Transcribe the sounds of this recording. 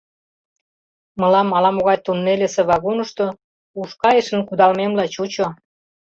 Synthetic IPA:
mə̆lɑmːɑlɑmoɣɑjt̪unːelʲesĕβɑɣonə̆ʃt̪o | uʃkɑjəʃə̆nkud̪ɑlmemlɑt͡ɕut͡ɕo

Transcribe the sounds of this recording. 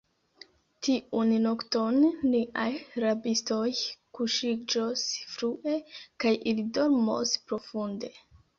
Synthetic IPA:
tiʔunnokto̞nːiʔajɾabistojkuʃid͡ʒosfɾuʔe̞kajʔilido̞ɾmo̞̰spɾo̞funde̞

